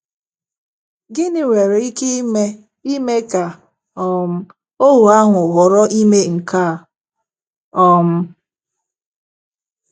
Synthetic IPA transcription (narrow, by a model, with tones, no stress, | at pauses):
ɡɪ˦nɪ˨wʷe˨ɾe˨i˦ke˦me˦ | i˦me˦ka˨ | ɔ˨m̩˦ | o˦ɦu˨a˦ɦʷʊ˨ɦʊ˨ɾɔ˦ʔi˦me˦ŋ̩˨ka˦˨ | ɔ˦m̩˦